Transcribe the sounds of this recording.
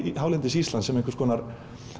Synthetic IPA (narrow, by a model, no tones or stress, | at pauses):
ɦaːwlɪnt̪̬ɪsiːst̪lansɛmẽŋkvɪ̥ɾskʰɔːnaɾ